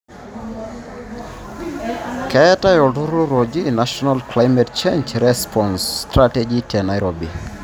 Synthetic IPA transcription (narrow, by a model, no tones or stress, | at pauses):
kɛɛtajɔduɾoɾod͡ʒinaʃɔnalklajmɛt̚t͡ʃẽɲd͡ʒɾɛspʰɔnstɾatɛd͡ʒitʰɛnajɾobi